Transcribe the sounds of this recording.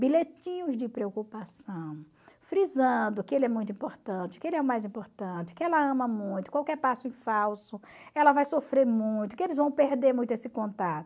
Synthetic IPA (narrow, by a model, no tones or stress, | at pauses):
bilet͡ʃĩɲʊzd͡ʒɪpɾeokupasɐ̃w̃ | fɾizɐ̃d̪ʊkɪelɪɛmũj̃t̪ʊĩpoɾt̪ɐ̃t͡ʃɪ̥kɪelɪɛʊmajzĩmpoɾt̪ɐ̃t͡ʃɪ̥kẽɛlɐɐ̃mɐmũj̃t̪ʊ̥kwawkɛɾpasʊĩfawsʊ | ɛlɐvajsofɾeɾmũj̃t̪̬ʊ̥kɪelɪzvɐ̃w̃peɾd̪eɾmũj̃t̪ʊesɪkõnt̪at̪ʊ